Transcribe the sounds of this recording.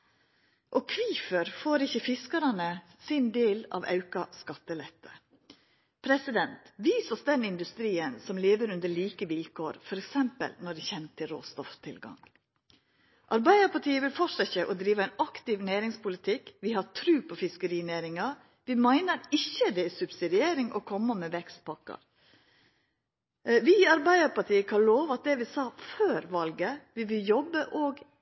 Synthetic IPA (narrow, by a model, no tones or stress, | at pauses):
ʔɔkʰʋiːfəɾfoːɾɪçəfɪskɑɾɑnə | sɪnd̪eːlɑ̰ʋɑ̰ʉkɑskɑt̪ːəlɛt̪ʰːə̰ | pʰɾɛsɪd̪ɛnt̪ʋiːsɔsd̪ɛnɪnd̪ʉst̪ɾiːənsɔmleːʋəɾʉnd̪əɭiːkəʋɪlkʰoːɾfɔɾɛksɛmpə̰lnɔɖɛçɛnt̪ʰɪlɾo̰ːst̪ɔft̪ʰɪlɡɑ̰ŋ | ʔɑɾbæɪd̪əɾpɑʈʰiːəʋɪlfɔʂəçəʔɔd̪ɾiːʋəæɪnɑkt̪ɪʋnæːɾɪŋspʰʊlɪt̪ʰɪkʋɪhɑɾtʰɾʉːpʰɔfɪskəɾiːnæːɾɪŋɑ | ʋɪmæɪnəɾɪçːəd̪ɛæsʉbsɪd̪ɪeːɾɪŋʔɔ̰kʰɔmːəmɛʋɛkst̪̚pʰɑkːɑ̰ɾ | ʋɪɑɾbæɪd̪əɾpɑʈiːəkʰɑloːʋɑt̪̚d̪ɛʋɪsɑːføːɾʋɑlɡəʋɪʋɪljɔbːəʔoːɡ